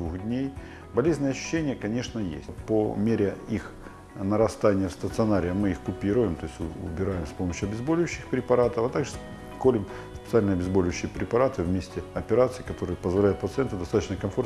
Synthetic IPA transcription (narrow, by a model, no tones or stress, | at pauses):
d̪vuxdʲnʲej | bɐlʲezʲnəjəɐɕːʉ̥ɕːenʲɪjəkɐnʲe̞ʂnəjḛsʲtʲpomʲeɾʲɪix | nəɾɐst̪anʲɪjəfst̪ət̪sɨɐnaɾʲɪjəmɨixkʊpʲiɾʊjɪmt̪o̞jɪsʲtʲʊ̰bʲɪɾajɪmspo̞məɕːʊɐbʲɪzbolʲɪjʉɕːɪxpɾʲɪpɐɾat̪əfɐt̪aɡʐɨs | kolʲɪm | spʲɪt̪sɨalʲnəɐbʲɪzbolʲɪʉɕːɪjəpɾʲɪpɐɾat̪ɨvmʲesʲtʲɪɐpʲɪɾat̪sɨikɐt̪o̞ɾɨjəpəzvɐlʲæjʊt̪̚pət̪sɨɛnt̪ʊd̪ɐst̪at̪ət͡ɕnəkɐmfo̞rt̪